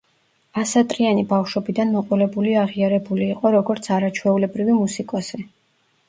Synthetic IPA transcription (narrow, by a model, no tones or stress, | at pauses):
asat̪ʼɾianibafʃɔbid̪anmɔqʼɔlɛbuliaʁiaɾɛbuliːqʼɔɾɔɡɔɾt̪sʰaɾat͡ʃʰwɛulɛbɾivimusikʼɔsi